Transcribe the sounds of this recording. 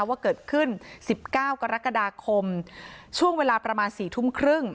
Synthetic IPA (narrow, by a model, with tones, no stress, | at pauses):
waː˥˩kɤː˨˩t̪̚kʰɯ˥˩nsi˨˩p̚kaː˥˩wka˧ɾa˦˥kːa˧daː˧kʰo˧mt͡ɕʰu˥˩əŋweː˧laː˧pɾa˧maː˧nsiː˨˩t̪ʰu˦˥˩mkʰɾɯ˥˩ŋ